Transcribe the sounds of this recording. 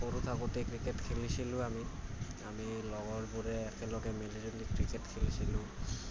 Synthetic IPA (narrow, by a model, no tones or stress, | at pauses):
oɾut̪ʰakoʈekɹikeʈkʰelisilũami | amilɔɡɔɹbuɾeːkelɔɡemeliɾolikɹikeʈkʰelisilũ